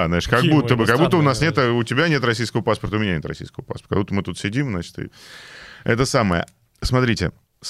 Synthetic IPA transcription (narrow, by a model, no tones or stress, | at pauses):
znaɪʂkɐɡbut̪ːəbɨkɐɡbutt̪ːəbɨʊnasnʲet̪əʊtʲɪbʲanʲet̪rɐs̬ʲijskəvəpaspərt̪əʊmʲɪnʲænʲe̞t̪ɾrɐ̰sʲḭjskəvəpa̰spr̥kɐɡbut̪əmɨt̪ut̪sʲɪdʲimznat͡ɕɪ̥t̪ɨ̰ | ɛt̪əsaməjə̰ | smɐt̪ɾʲitʲɪ̰ | s